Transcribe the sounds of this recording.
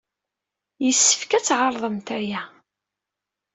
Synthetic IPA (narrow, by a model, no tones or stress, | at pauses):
jəsːə̥fkæt͡sːʕɑɾˤðˤəmt̪æjæ